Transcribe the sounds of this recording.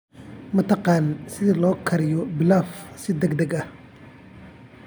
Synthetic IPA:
mɐt̪ʰɑqɑːnsɪðɐlɔːkʰɐɾɪjɔbɪlaːfsɪd̪ɛɡd̪ɛɡɐh

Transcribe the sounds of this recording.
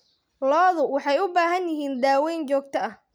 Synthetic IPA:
lɔːðʊwɑħɑjʊbaːɦɐnjɪɦiːnd̪aːwɛjnt͡ʃɔːɡ̚t̪ʰɐɐh

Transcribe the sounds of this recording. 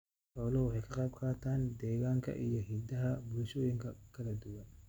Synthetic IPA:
ħɔːlɔwʊħɛjkʰɐqʼɑb̚kʰaːt̪ʰaːnd̪ɛːɣaːŋkʰɐ̰ʔḭjɔɦɪd̪ɐɦɐbʊlʃoːjɪŋkʰɐkʰɐlɐd̪ʊwɐn

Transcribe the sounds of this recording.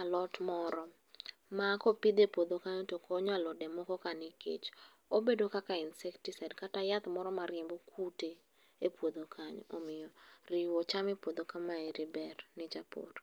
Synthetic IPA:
alɔtmɔɾɔ | makɔpid̪epwod̪okaɲotokoɲalɔdɛmɔkɔkanɪkḛt͡ʃ | obedokakaɪnsɛktisadkatajat̪mɔɾɔmaɾjɛmbokʰute | epwod̪okʰaɲomɪjɔrɪwɔt͡ʃamepwod̪okamaɛɾɪbɛrnɪt͡ʃapo̰ɾ

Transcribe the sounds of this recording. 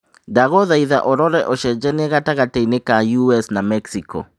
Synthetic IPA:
daɣɔðaiða̰ʔɔɾɔɾɛʔoʃɛd͡ʒɛnɛɣataɣateinekajuɛsnamɛksikɔ̰

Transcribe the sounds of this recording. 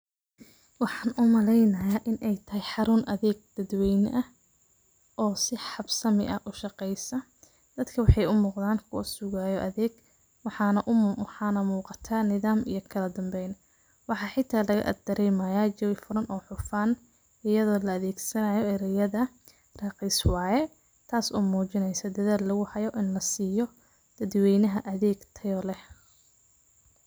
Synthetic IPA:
wɑħɑːnʔʊmɐlɛjnɐjaːʔɪnʔɛjt̪ʰɐɦɛjħɑɾʊnʔɐðɛːɡ̚d̪̥ɐd̪wɛjnʔɐ | ʔɔːsɪħɑbsɐmɪ̰ʔɐʔʊʃɑqɛjsɐ | d̪̥ɐd̪kʰɐwɑħɑjʊmuːqd̪aːnkʰʊsʊɣaːjɔʔɐðɛːɡ | wɑħɑnɐʔwħɑːnɐmuːqɑt̪ʰaːnɪðaːmḭjɞkʰɐlɐd̪ɐmbɛjn | wɑħɑːħɪt̪ʰaːlɐɣɐ̰ʔɐ̰d̪d̪ɐɾɛjmɐjaːt͡ʃɐwɪfʊɾɐnʔɔːħʊfaːn | ɪjɐðɔːlɐːðɛːɡsɐnɐjɔɛɾɐjɐðɐ | rɑːqiswɑːjɛ | t̪ʰaːsɔːmuːt͡ʃɪnɛjsɐd̪ɐðaːlːɐɣʊhɐjɔʔɪnlɐsiːjɔ | d̪̥ɐd̪wɛjnɐɦɐʔɐðɛːɡt̪ʰɐjɔlɛh

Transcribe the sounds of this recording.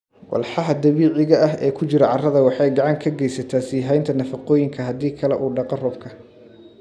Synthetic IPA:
wɑ̰lħɑɦɐd̪ɐβiːʕɪɣɐɐɦɛːkʰʊt͡ʃɪɾɐʕɑrɐðɐwɑħɑjɡɑʕɑŋkʰɐɡɛjsɐt̪ʰaːsɪɦɛjnt̪ʰɐnɐfɑqɔːjɪŋkʰɐɦɐd̪iːkʰɐlɛʔuːɖɑqɔrɔːb̚kʰɐ

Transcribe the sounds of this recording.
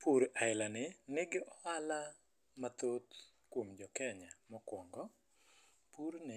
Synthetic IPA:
pʰuɾʔaɪlanɪnɪɡɪʔɔala | mat̪ot̪ | kwomd͡ʒɔkɛɲamɔkwɔŋɡɔ | puɾnɪ

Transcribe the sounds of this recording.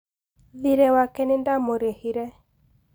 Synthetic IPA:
ðiɾɛwakɛnɪndamoɾehiɾɛ

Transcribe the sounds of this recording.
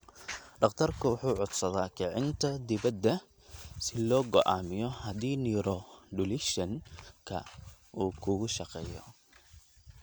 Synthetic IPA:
ɖɑqt̪ʰɐrkʰʊwʊħuːʕʊd̪sɐðaːkɛʕɪnt̪ʰɐd̪ɪβɐd̪ːɐ | sɪlɔːɡɔʔaːmɪjɔhɐdiːniːɾɔɖʊlɪʃɐŋkʰɐ̰ | ʔuːkʰʊɣʊʃɑqɛːjɔ̰

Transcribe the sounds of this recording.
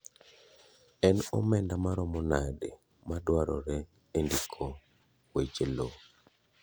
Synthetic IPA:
ɛnɔmɛndamaɾɔmɔnade | madwaɾɔɾɛ | endikʰo | wet͡ʃelo

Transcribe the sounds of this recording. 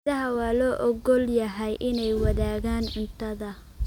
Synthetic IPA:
ɐɦɐwɑːlɔːʔɔɡɔljɐɦɛjʔɪnɛjwɑðaːɣaːnɪnt̪ʰɐðɐ

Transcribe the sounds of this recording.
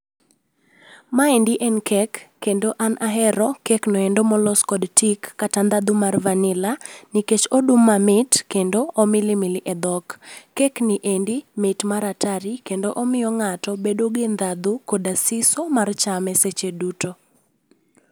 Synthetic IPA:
maɛndiʔɛnkʰɛkːendoʔanʔaɦɛɾɔkɛknɔendomɔlɔskɔdtikːatand̪ad̪umarvanɪlaniket͡ʃodumːamɪtkendoʔomɪlɪmɪlɪʔɛd̪ɔkːɛknɪʔendimɪtmaɾataɾikendoʔomɪjɔŋatɔbedoɡɪnd̪ad̪ukodasɪsomart͡ʃamɛset͡ʃeduto

